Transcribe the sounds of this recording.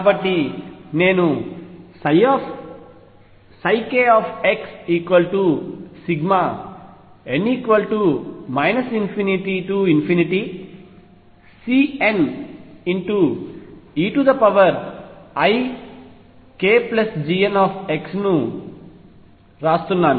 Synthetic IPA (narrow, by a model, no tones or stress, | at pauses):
bɐʈlineːnu | sɐɪkeɔːfeksiːkʋɐlʈusiɡma | eniːkʋɐlʈumaɪnɐsĩnfiniʈiʈuinfiniʈi | siːẽniɳʈu | iːʈud̪ɐpɐʋɐɾɐj | keːplɐsd͡ʒiːenɔːfʰeksnu | ɾaːst̪unːaːnu